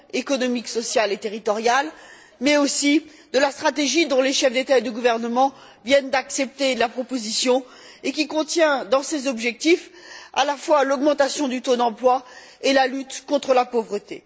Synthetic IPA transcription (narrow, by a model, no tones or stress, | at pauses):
ekɔnɔmiksɔsjalet̪eʁit̪ɔʁjal | mɛosi | d̪əlast̪χat̪eʒid̪ɔ̃leʃɛfd̪et̪aed̪əɡuvɛʁnəmɑ̃ | vjɛnd̪aksɛp̚t̪elapχɔpozisjɔ̃ | ekʲikɔ̃t̪jɛ̃d̪ɑ̃sezɔbʒɛk̚t̪ifa̰lafwalɔɡmɑ̃t̪asjɔ̃d̪yt̪od̪ɑ̃plwa | elalyt̪kɔ̃t̪χəlapovʁət̪ḛ